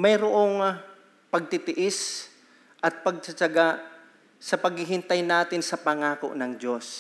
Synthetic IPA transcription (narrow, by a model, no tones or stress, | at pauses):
mɐjɾoʔoŋ | pɐɡ̚t̪ɪt̪ɪʔɪs | ʔɐt̪̚pɐɡ̚t͡ʃɐt͡ʃɐɡa | sɐpɐɡ̚hɪɦɪnt̪ajnaːt̪ɪnsɐpɐŋaːko̰ʔnɐŋd͡ʒo̞s